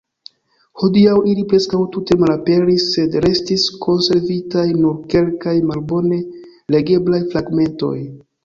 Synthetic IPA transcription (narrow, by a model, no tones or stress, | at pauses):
ho̞diawilipɾe̞skawtute̞malape̞ɾisːe̞dɾe̞stiskʰo̞nse̞ɾvitajnuɾke̞lkajmalbo̞ne̞ | le̞ɡe̞blajfɾaɡme̞nto̞̰j